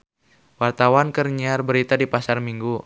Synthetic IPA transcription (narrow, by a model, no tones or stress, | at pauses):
wart̪awankərɲiarbəɾit̪adipasarmiŋɡu